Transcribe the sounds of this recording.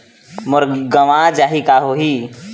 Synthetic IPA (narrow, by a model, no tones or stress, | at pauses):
mʊɾɡəʋãd͡ʒaːɦikaɦoɦi